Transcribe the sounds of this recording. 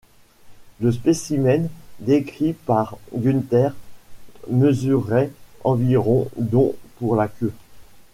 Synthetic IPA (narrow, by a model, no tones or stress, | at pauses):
ləspesimɛnd̪ekχipaʁɡynt̪ɛʁ | məzyʁɛɑ̃viʁɔ̃d̪ɔ̃puʁlakʲø